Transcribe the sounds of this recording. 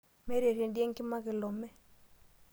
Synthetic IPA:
mɛ˦ɾe˨ɾe˨ndi˦e˦ŋ˦kɪ˦ma˦kɪ˨lɔ˨mɛ˦

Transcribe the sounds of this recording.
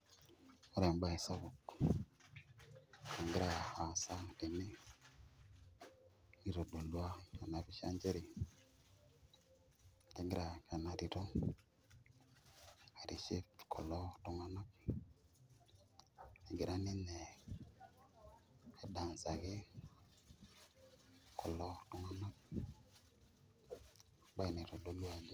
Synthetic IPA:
o˦ɾɛ˨mba˦i˨sa˦βɔ˨k | a˨ŋɡɪ˦ɾa˨a˨sa˦ti˨mi˦ | i˦ɾo˨do˨lwa˦ka˨na˨βi˦ʃa̰˦ɲd͡ʒe˦ɾi˨ | tɛ˨ŋɡɪ˦ɾa˨ka˨na˨ɾi˨ɾo˦ | a˨ɾi˨ʃe˦tkʰɔ̰˨lɔ˦tʊ˦ŋa˦nɔ˦k̚ | e˨ɡɪ˨ɾa˦nɪ˦nɛ˨ | ɛ˦da˨nsa˨ɡɪ˦ | kɔ˨lɔ˦tʊ˦ŋa˦nɔ˦k̚ | ba˦i˨ni˨ɾo˨do˨la˦˨d

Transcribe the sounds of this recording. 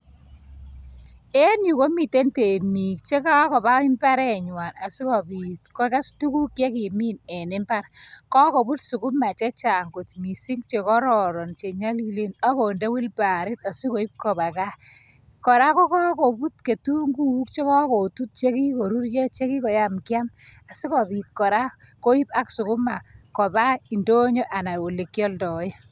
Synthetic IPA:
ɛ˦nju˨ko˦mi˨te˦nte˨mi˨k̚t͡ʃe˦ka˦kɔ˨ba˦ɪ˦mba˦ɾɛ˨ɲwa˨na˨si˦kɔ˨bi˨tkɔ˦ka˦stu˦ku˦kje˦ki˨mi˦nɛ˨nɪ˦mba˦rkɔ˦kɔ˨bu˦tsu˨ku˦ma˨t͡ʃɛ˦t͡ʃa˨ŋɡu˨tmi˨si˦ŋt͡ʃe˨kɔ˦ɾɔ˨ɾɔ˨nt͡ʃe˨ɲa˦li˨le˦na˦ko˨nde˦wi˦lpa˨ɾɪ˦ta˨si˦ko˨i˦p̚kɔ˨ba˨ka˦ | kɔ˨ɾa˦ko˦kɔ˦ko˨bu˦tke˨tu˦ŋɡu˦k̚t͡ʃe˦kɔ˦ko˨tu˦t̚t͡ʃe˦ki˦ko˨ɾu˦ɾje˦t͡ʃe˦ki˦kɔ˨ja˦mkja˦ma˨si˦kɔ˨bi˨t̚kɔ˨ɾa˦ko˦i˦pa˦ksu˨kʊ˦ma˨kɔ˨ba˦i˨ndo˦ɲo˦ʔa˨na˨u˨le˨kjɔ˦ldɔ˨˦j

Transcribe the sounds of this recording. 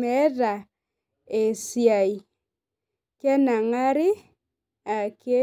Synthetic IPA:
ɛ˨˦ða˨ | e˨sja˨i˨ | kɛ˦na˨ŋa˦ɾɪ˦ | a˨ke˦

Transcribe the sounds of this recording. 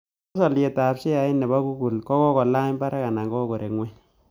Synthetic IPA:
sɔ˨lje˨ta˨pt͡ʃe˦ja˨ɪ˦nɛ˨ba˦ku˦ku˨lkɔ˦kɔ˦kɔ˨la˦ɲba˦ɾa˦ka˨na˨ŋɡɔ˦ko˨ɾe˨kŋwɛ˦

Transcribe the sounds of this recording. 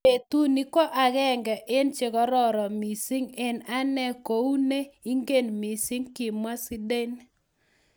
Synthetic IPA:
e˨tu˦ni˦kɔ˦ʔa˨kɛ˦ŋɡɛ˨ʔe˦nt͡ʃe˨kɔ˦ɾɔ˦ɾɔ˨mi˨si˦ŋe˦˨na˦nɛ˦ko˨˦u˦ne˦i˦ŋɡe˦˨nmi˨si˦ŋki˨mwa˦si˦de˦n

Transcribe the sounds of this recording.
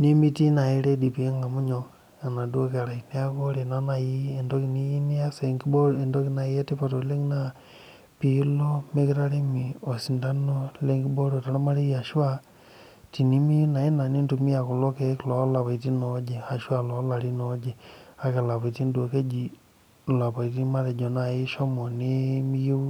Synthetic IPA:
ni˦mi˦ti˦na˨i˦ɾe˦di˨pi˨e˦ŋɡa˨mu˦ɲo˨ | a˨na˨du˦o˦ke˨ɾa˨ine˦a˦ko˦ɾe˨na˦na˨ji˦e˨ndo˦ki˨ni˦i˦ni˦a˦se˨ŋɡi˦bo˦e˨ndo˦ki˦na˨i˦e˦ti˦pa˨to˨le˦ŋna˨ | pi˨lo˦me˦ki˦ɾa˦ɾi˦mi˨o˨si˨nda˦no˦le˦ŋɡi˦bo˦ɾo˨ta˨ɾa˦ma˦ɾi˦ja˨ʃu˦a˦ | ti˨ni˦mi˦ju˦na˨ji˦na˨ni˦ntu˨mi˦ja˨ku˨lo˦ke˦kilo˨˦la˨βa˨i˨ti˦nod͡ʒe˨ha˨ʃwa˦lo˨˦la˨ɾi˦nod͡ʒe˨a˨ke˨la˨βa˨i˨ti˦ndo˨ke˦d͡ʒi˨ | la˨pa˨i˨ti˦ma˦ɾe˨d͡ʒo˨na˨ji˦ʃo˦mo˨ni˦mi˦ju˦

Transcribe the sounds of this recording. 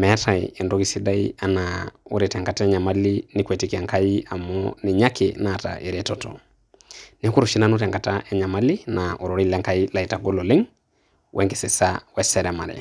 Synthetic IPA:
mɛ˦ta˨ie˨ndoɡi˦sida˦ianao̰˦ɾetɛ˨ŋka˨ta˦ɛ˦ɲa˨malini˦kwɛ˨ti˦kia˨ŋkaia˨mɔnɪ˨ɲakenata̰ʔe˨ɾetɔtɔ̰ | ne˦ku˦ɾuʃi˦nano˦ɾɛ˨ŋka˨taʔɛ˨ɲa˨ma˦li˦naʔo˨ɾo˨ɾi˦la˦ŋka˦ila˨i˨ta˨ɡo˦lo˨lɪ˦ŋ | wʔɛ˦ŋke˨se˨sawɛsɛɾɛma˨ɾɛ̰

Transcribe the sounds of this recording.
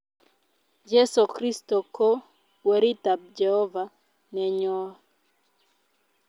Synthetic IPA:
d͡ʒɛ˦so˨kɾi˦stɔ˨ko˦ | wɛ˨ɾi˦ta˨b̚d͡ʒɛ˨hɔ˦va˨ | nɛ˨ɲɔ˦

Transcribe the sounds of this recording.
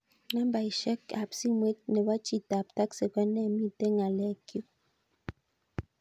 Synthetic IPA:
na˦mba˨i˨ʃɛ˦ka˨psi˦mwe˦t̚nɛ˨ba˦t͡ʃi˦ta˨p̚ta˦kse˨ka˦nɛ˦˨mi˦te˦ŋa˨lɛ˨kjo˦

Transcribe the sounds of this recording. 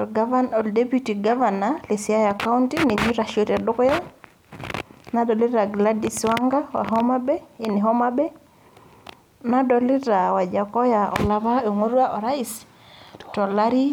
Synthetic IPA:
ɔ˨ɡa˦va˦nɔ˨lde˦pju˦ti˨ɡa˦vana˨lɪ˨sɪ˨a˦ja˨ka˦u˦ntini˨ɲi˦ɾa˨ʃo˨tɛ˨dʊ˦kja˦ | na˦dɔ˨lɪ˦ɾa˨ɡla˦di˨swa˦ŋɡa˦wa̰˨ɦɔ˦ma˦bɛ˦ɪ˨nɪ˨ɦɔ˦ma˦bɛ˦ | na˦dɔ˨lɪ˦ɾa˨wa˨d͡ʒa˨kɔ˦ja˨ɔ̰˨la˦ba˦o˨ŋo˦ɾa˦ʔɔ˨ɾa˦i˨s | tɔ˨la˦ɾi˦

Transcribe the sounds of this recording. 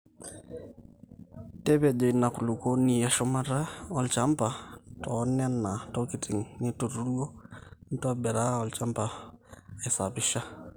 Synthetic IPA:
tɛ˦βɛ˨ʄɔ˨i˨na˨ku˨lu˨ko˦ni˨a˨ʃɔ˦ma˦ɾa˦ɔ˦lt͡ʃa˦mpa˨tʰɔ˨˦nɛ˦na˨tɔ˦ki˨tʰi˨ŋnɪ˦tu˨ɾu˦ɾu˦ɔ˦n̩˦twa˦ɓɛ˨ɾa˦ɔ˨lt͡ʃa˦mpa˨ | ɛ˨sa˨βɪ˦ʃa˦

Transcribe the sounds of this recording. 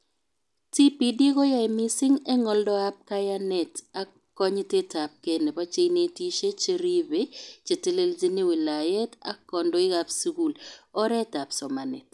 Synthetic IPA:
ti˦pi˨di˦kɔ˦ja˦imi˦si˦ŋɛ˦ŋɔ˦ldɔ˦a˦p̚ka˦ja˦nɛ˨ta˦ | kɔ˦ɲ˦te˦ta˨p̚ke˦ne˨pa˦t͡ʃe˦ne˦ti˦ʃe˦t͡ʃe˨ɾi˦be˦t͡ʃe˨te˦le˦ld͡ʒi˦ni˦wi˨la˨jɛ˦ta̰˦kɔ˨ndɔ˦ɪ˦ɡa˦psu˦ku˨lɔ˦ɾɛ˦ta˨psɔ˨ma˨nɛ˨t̚

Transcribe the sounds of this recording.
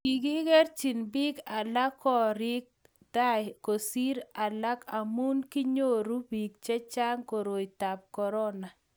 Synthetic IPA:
i˨ɡi˦ɡe˦ɾt͡ʃi˨nbi˦ka˨la˦kːɔ˦ɾɪ˦k̚ | d̪̥a˦ko˨si˦ɾa˨la˦ka˨mu˦nki˦ɲo˦˨ɾu˦bi˨k̚t͡ʃɛ˦t͡ʃa˦ŋko˨ɾo˨jta˨p̚kɔ˨ɾɔ˦na˨

